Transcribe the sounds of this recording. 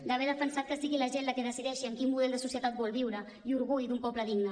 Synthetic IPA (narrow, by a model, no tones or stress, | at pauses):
d̪əβ̞ɛɾðəfənsat̪̚kəsiɣiləʒenləkeðəsiðɛʃiəmkimmuðɛlˠd̪əsusjət̪at̪̚bɔlˠβiwɾə | iuɾɣujðumpɔpləðiɡnə